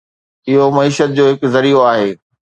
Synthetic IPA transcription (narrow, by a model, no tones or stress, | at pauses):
ɪɦomɐiːʃət̪̚d͡ʑoːɦɪkzɐɾioaːɦeː